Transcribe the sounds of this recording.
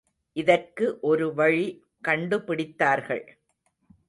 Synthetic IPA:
ʔɪðɐrkɯʔɔɾɯʋɐɻi | kɐɳɖɯpɪɽɪt̪ːaːɾɣɐ̰ɭ

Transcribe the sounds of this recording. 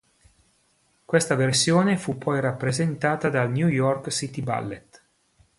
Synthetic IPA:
kwest̪aversjoːnefupʰːɔjrapːɾezent̪aːt̪ad̪alnjujɔrksit̪iba̰lːet̪

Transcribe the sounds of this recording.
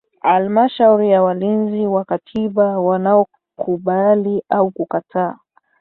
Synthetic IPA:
halmaʃauɾijawalinziwakatʰiɓawanaɔ | kʰuɓaliʔaukukatʰaː

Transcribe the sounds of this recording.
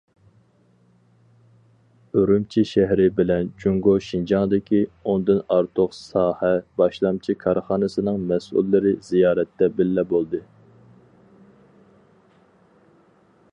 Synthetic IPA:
øɾumt͡ʃʰiʃɛɦɾɪbɪlɛnd͡ʒuŋɡoʃind͡ʒɑŋd̪ɪkʲʰiond̪ɨnɑɾt̪ʰʊqsɑːhɛbɑʃlˠɑmt͡ʃʰikʰɑɾχɑːnɨsɨnɨŋmɛsʔṵlːɪɾɪzijɑːɾɛt̪ːɛbɪlːɛbolˠd̪ɨ

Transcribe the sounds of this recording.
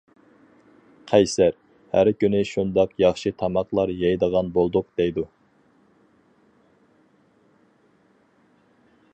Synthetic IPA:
qʰɛjsæɾ | hæɾkʲynɪʃund̪ɑqjɑχʃɨt̪ʰɑmɑqlˠɑɾjɑjd̪əʁɑnbolˠd̪ʊq̚d̪̥ɛjd̪u

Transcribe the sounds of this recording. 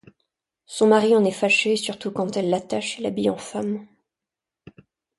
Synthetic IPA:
sɔ̃maʁiɑ̃nɛfaʃesyʁt̪ukɑ̃t̪ɛlːat̪aʃelabijɑ̃fam

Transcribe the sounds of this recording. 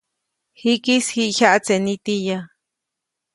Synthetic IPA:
hikishiʔçaʔat͡senit̪ija

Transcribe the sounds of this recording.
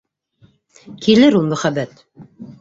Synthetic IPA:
kilɘɾulˠmɵ̆χæbæt̪

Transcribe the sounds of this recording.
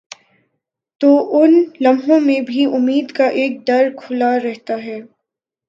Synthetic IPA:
t̪oːʔʊnlɐmɦõmẽbʱiʔʊmːiːd̪kaʔeːk̚d̪ɐɾkʰʊlaɾɛɦt̪aɦɛː

